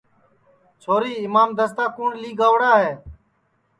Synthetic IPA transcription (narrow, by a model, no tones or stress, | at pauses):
t͡ʃʰoːɾiːɪmaːmd̪əst̪aːkuːɳliːɡaːʋɽaːɦeː